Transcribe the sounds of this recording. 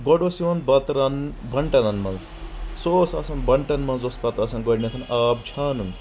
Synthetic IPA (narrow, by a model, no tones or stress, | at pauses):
ɡɔɖosiʋɐnbɐt̪ɾɐnbʱɐɳʈɐnɐnmɐnz | soːsaːsɐnbɐɳʈɐnmɐnzospɐt̪ɐːsɐnɡɔɽʲnʲɐkʰɐnaːb̚d͡ʒʰaːnun